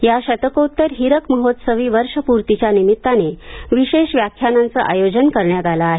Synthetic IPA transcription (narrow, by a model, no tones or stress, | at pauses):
jaɕət̪əkout̪ːəɾɦiɾəkməɦot̪səʋiːʋəɾʂəpuɾt̪it͡ɕjanimit̪ːaneʋiɕeɕʋjakʰjanant͡səʔajod͡ʑənkəɾɳjat̪alaːɦe